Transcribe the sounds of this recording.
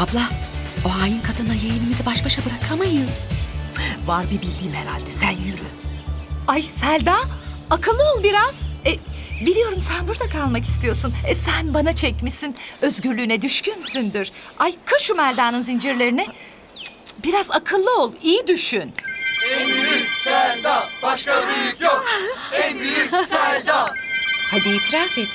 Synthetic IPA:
ablˠaːoaːjɯnkʰad̪ɯnd̪ajejinimizibaʃbaʃabɯɾakʰamajɯz̥ | vaɾbibilʲd̪iːmheɾalʲd̪ɛsænjyɾy | ajsælʲd̪aːakʰɯlˠːɯo̞lˠbiɾaz̥ɛbilʲijo̞ɾumsænbuɾd̪akʰalˠmaki̥st̪ʰijo̞ɾsunɛsænbanat͡ʃʰɛcmisinø̞zɟyɾlʲyːnɛd̪yʃcʰynsynd̪iɾ̥ | ajkʰaʃumælʲd̪aːnɯnzind͡ʒiɾlʲe̞ɾinɛ | biɾazakʰɯlˠːɯo̞lˠijid̪yʃynɛnisælʲd̪abaʃkabikoɛnijisælʲd̪aːhed̪iːt̪ʰɾafɛt̪

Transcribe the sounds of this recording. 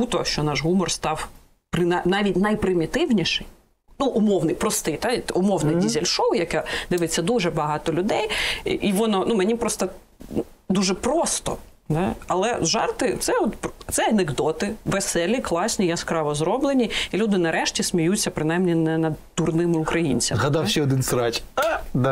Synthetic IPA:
but̪ɔʃt͡ʃɔnɑʒɦumɔrst̪ɑw | pɾɪnanɑʋʲitʲnɐjpɾɪmʲit̪ɪwnʲiʃɪj | nuʔʊmɔwnɪjpɾɔst̪ɪjt̪ɑt̪ʊmɔwnɐjdʲizʲelʲʃɔwjɐkɛd̪ɪʋɪt͡sʲːɐd̪uʒɛbɐɦɑt̪ɔlʲʊd̪ɛjʔiʋɔnɔnumɛnʲipɾɔst̪ɐ | d̪uʒɛpɾɔst̪ɔ̰ | d̪ɑɐlˠɛzʒɑ̰rt̪ɪt̪sɛɔt̪pt̪sɛɐneɡd̪ɔt̪ɪʋesɛlʲiklˠɑsʲnʲijaskɾɑʋɔzɾɔblˠenʲiilʲud̪ɪnɐɾɛʃtʲisʲmʲijut͡sʲːɐpɾɪnɑjmnʲinɛnɐd̪t̪urnɪmɪʊkɾɐjḭnʲt͡sʲɐmzɦɐd̪ɑwʃɛɔd̪ɪnsɾɑt͡ʃʲd̪

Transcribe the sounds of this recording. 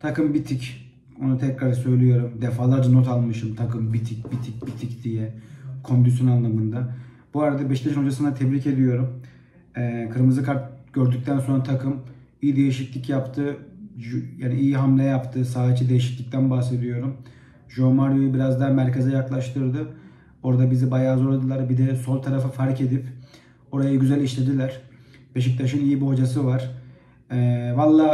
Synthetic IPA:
t̪ʰakɯmbit̪ʰic | o̞nut̪ʰɛcɾaɾsø̞jlʲijo̞ɾumd̪efaːlˠaɾd͡ʒano̞t̪ʰalˠmɯʃɯmt̪ʰakɯmbit̪ʰic̚bit̪ʰic̚ʲbit̪ʰicd̪ijɛkʰo̞nd̪ys̬jonanlːˠamɯnd̪a | buaɾad̪abɛʃt̪ʰʲeʃɯno̞d͡ʒasɯnat̪ʰɛbɾice̞d̪ijo̞ɾum | ɛkʰɯɾmɯzɯkʰaɾt̪̚ɟ̥ø̞ɾd̪yc̚ʲt̪ʰænso̞nɾat̪ʰakʰɯm | ijid̪e̞jiʃicʲlʲicjapt̪ʰɯ | jaːniijiɦamlʲɛjapt̪ʰɯsaːt͡ʃʰid̪e̞jiʃi̥cʲlʲic̚t̪ʰænbahse̞d̪ijo̞ɾum | ʒomaɾjojubiɾazd̪aɾmæɾcezɛjaklˠaʃt̪ʰɯɾd̪ɯ | o̞ɾd̪abizibajaːzo̞ɾlˠad̪ɯlˠaɾbid̪ɛso̞lˠt̪ʰaɾafɯfaɾce̞d̪ip | o̞ɾajaɟyzælʲiʃlʲe̞d̪ilʲæɾ̥ | be̞ʃic̚t̪ʰaʃɯnijibiho̞d͡ʒasɯvaɾ̥ | ɛvalˠːaː

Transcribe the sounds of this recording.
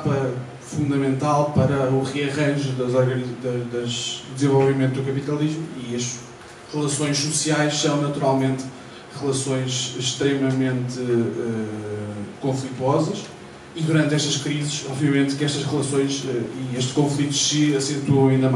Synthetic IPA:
pɐ | fũnd̪ɐmẽnt̪alˠpɐɾɐuʁɨɐʁɐ̃ʒuðɐzɔɾɣɐnd̪ɐd̪ɐʒd̪zẽvɔlˠvimẽnt̪ud̪ukɐpit̪ɐlˠiʒmuiɐʃ | ʁɨlˠɐsõj̃ʃsusiajʃsɐ̃w̃nɐt̪uɾalˠmẽnt̪ | ʁɨlˠɐsõj̃ʃʃt̪ɾɛmɐmẽnt̪ɨɛ | kõflˠit̪wɔzɐʃ | iðuɾɐ̃nt̪ɛʃt̪ɐʃkɾizɨʃɔbviɐmẽnt̪kɛʃt̪ɐʃʁɨlˠɐsõj̃ʃɛieʃt̪ʃkõflˠit̪u̥sɨɐsẽnt̪õɐĩnd̪ɐm

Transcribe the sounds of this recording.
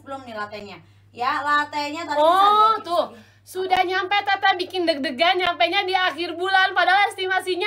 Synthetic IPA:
bəlʊmnilat̪ɛɲa | jalat̪ɛɲat̪aɔt̪ʊh | sudahɲampajt̪at̪abikɪndək̚dəɡaɲampajɲadiaxɪrbulanpadaaɛst̪imasiɲa

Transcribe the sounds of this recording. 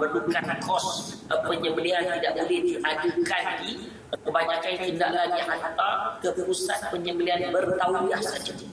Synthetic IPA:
mərdukankʰɔspəɲəbəliant̪idaʔbulɛhdiʔadukandi | kəbaɲakant̪indaʔlaɡiɦant̪akəpusat̪̚pəɲəbəlianbərt̪auijahsəd͡ʒə

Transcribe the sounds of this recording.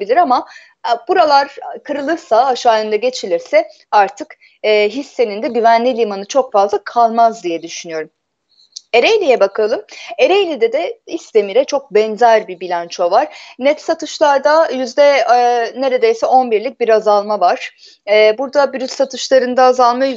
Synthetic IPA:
bilʲiɾama | b̥uɾalˠaɾkʰɯɾɯlˠɯɾsaːʃaːjɯnd̪aɟe̞t͡ʃʰilʲiɾsɛ | aɾt̪ʰɯkː | ɦisːe̞nind̪ɛɟyvænlʲilʲimanɯt͡ʃʰo̞kfazlˠakʰalˠmazd̪ijɛd̪yʃynyjo̞ɾum | e̞ɾejlʲijɛbakʰalˠɯme̞ɾejlʲid̪ɛd̪ɛist̪e̞miɾɛt͡ʃʰo̞k̚bɛnzæɾbibilʲant͡ʃʰo̞vaɾ̥nɛt̪sat̪ʰɯʃlˠaɾd̪ajyzd̪ɛne̞ɾe̞d̪ejsɛo̞nbiɾlʲic̚biɾazalˠmavaɾ̥ː | buɾd̪abyɾyt̪sat̪ʰɯʃlˠaɾɯnd̪aːzalˠma

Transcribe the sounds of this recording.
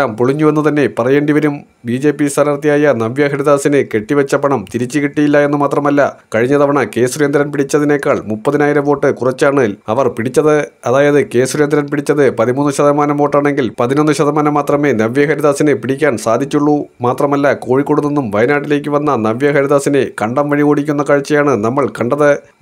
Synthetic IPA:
aːmpuɭiɲːuʋɐnːut̪ɐnːe̞pɐrɐjeɳɖiʋɐɾum | biːd͡ʑe̞ːpːist̪ʰaːnɐːrt̪ijaːjɐnɐʋjɐɦɐɾiðaːsinɨke̞ʈːiʋɐt͡ɕːɐpɐɳɐmt̪iɾit͡ɕːikeʈːijilːɐe̞nːɨmaːt̪rɐmɐlːɐkɐɻiɲːɐðɐʋɐɳɐke̞ːsuɾjend̪ɾɐnpiɽit͡ɕːɐðine̞ːkːaːɭmupːɐðinaːjiɾɐmʋo̞ːʈːɨkurɐt͡ɕːaːɳɨɐʋɐrpiɽit͡ɕːɐðɨ | ɐðaːjɐðɨke̞ːsurjend̪ɾɐnpiɽit͡ɕːɐðɨpɐðimuːnːɨɕɐðɐmaːnɐmʋo̞ːʈːaːɳe̞ŋɡilpɐðino̞nːɨɕɐðɐmaːnɐmːaːt̪rɐme̞ːnɐʋjɐɦɐɾiðaːsinɨpiɽikʲːaːɳsaːd̪ʱit͡ɕːuɭːumaːt̪rɐmɐlːɐko̞ːɻikːo̞ɽunːenːumʋɐjnaːʈːile̞ːk̬ʲːɨʋɐnːɐnɐʋjɐɦɐɾiðaːsinekɐɳɖɐmʋɐɻiɣoːɽikʲːunːɐkɐɻt͡ɕːɐjaːɳɨnɐmːɐɭkɐɳɖɐðɐ

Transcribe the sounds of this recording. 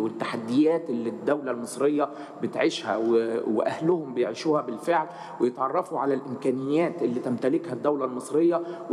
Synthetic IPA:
wɪt̪ːaħad̪ːɪjæːt̪ʔɪlːid̪ːæwlælmɨsˤɾejːɑ | bɪt̪ʕɪʃhæ̰wwḛʔæhlʊhʊmbɪjʕiːʃuːhæbɪlfeʕl | wejɪt̪ʕɑrˤːɑfuʕalælʔɪmkæːnɪjːæːt̪ʔɪlːiːt̪æmt̪ælɪkhæd̪ːæwlælmɨsˤɾɪjːɑw

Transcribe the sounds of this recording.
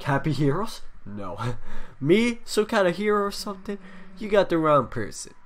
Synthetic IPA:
kʰæpihiɹoʊz̥noʊmisoʊkʰãɪndɨɦiɹoʊsʌ̃mθɪ̃ŋjɨɡɑt̪̚ðɨɹãʊ̃npʰɜ̰˞sɨ̰̃n

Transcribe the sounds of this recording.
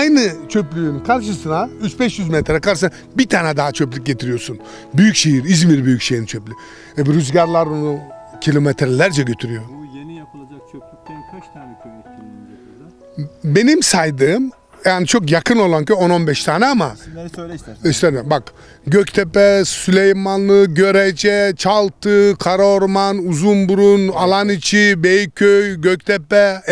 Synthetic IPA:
ajnɯt͡ʃʰø̞plʲyynkʰaɾʃ̬ɯsɯnayt͡ʃbɛʃjyzmet̪ʰɾɛkaɾʃsna | bit̪ʰaːnɛd̪aɦat͡ʃʰøplʲyc̚ɟet̪ʰiɾijo̞ɾsun | byjycʃejiɾizmiɾbyjycʃejɾint͡ʃʰøplʲy | ɛbɾyzɟaɾlˠaɾonucʰilʲo̞met̪ʰɾɛlʲæɾd͡ʒɛɟøt̪ʰyɾyjo̞ | be̞nimsajd̪ɯːm | jaːnit͡ʃʰo̞kjakʰɯno̞lˠancʰøjo̞no̞nbɛʃt̪ʰaːnɛama | ist̪ed̪ɛmbak | ɟøct̪ʰɛpɛsylʲejmanlˠɯɟø̞ɾɛd͡ʒɛt͡ʃʰalˠt̪ʰɯkʰaɾaoɾmanuzunbuɾunalˠanit͡ʃʰibejikʰːøjɟøc̚t̪ʰɛpɛ

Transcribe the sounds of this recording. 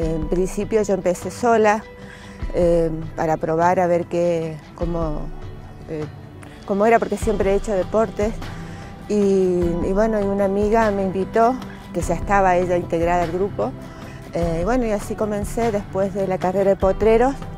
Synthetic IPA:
empɾinsipjo̞ʒo̞empe̞se̞so̞la | epaɾapɾo̞β̞aɾaβe̞ɾkekomo | e | ko̞mo̞e̞ɾapo̞ɾke̞sje̞mpɾeet͡ʃo̞ð̞e̞po̞ɾt̪es | iiβwe̞no̞iunamiɣame̞imbit̪o̞ | ke̞ʒaest̪aβaeʒaint̪e̞ɣɾaðaalɣɾupo̞ | eiβwe̞no̞iasiko̞mẽ̞nse̞ðe̞spwe̞zðelakare̞ɾaðepo̞t̪ɾeɾo̞s

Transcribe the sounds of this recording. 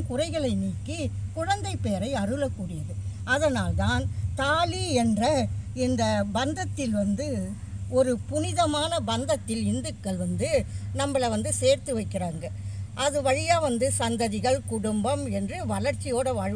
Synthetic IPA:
kʊrɐɪɣɐɭɐɪniːkːikʊɻɐnd̪ɐɪpːeːɾɐɪɐrɯlɐkːuːɽɪjɐðɯ | ɐðɐnaːlt̪aːnt̪aːliɛndrɐɪnd̪ɐbɐnd̪ɐt̪ːɪlʋɐnd̪ɯ | ɔɾɯpʊnɪðɐmaːnɐbɐnd̪ɐt̪ːɪlɪnd̪ɯkːɐɭʋɐnd̪ɯnɐmːɐɭɐʋɐnd̪ɯseːɾt̪ɯʋɐɪkːɪraːŋɡɐʔɐðɯʋɐɻɪjaːʋɐnd̪ɯsɐnd̪ɐðɪɣɐɭkʊɽʊmbɐmɛndrɯʋɐɭɐɾt͡ʃːɪjoːɽɐʋaːɻ

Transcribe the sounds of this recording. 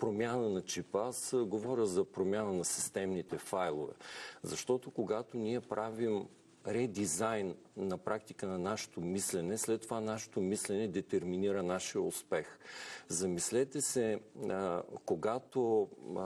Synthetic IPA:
pɾomʲjanɐnɐt͡ʃipasɡovɔɾʲəzɐpɾomʲjanɐnɐsi̥st̪ɛmnit̪ɛfajlˠovɛ̰zɐʃt̪ɔt̪okoɡat̪oniɛpɾʔavim | ɾɛd̪izajnː | ɐpɾak̚t̪ikənɐnaʃɛ̥t̪omislɛnɛslɛt̪ːovanaʃɛ̥t̪omislɛnɛd̪ɛt̪ɛɾminiɾənaʃijəṵspɛxzɐmislɛt̪ɛsɛ | koɡat̪o

